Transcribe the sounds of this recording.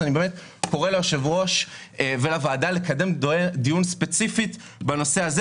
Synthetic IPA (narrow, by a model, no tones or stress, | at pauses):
anibeːmet̪ | ko̞ʁeleoʃevʁo̞ʃvelavaːdale̞kad̪e̞md̪ijunspet͡sifit | bano̞se̞az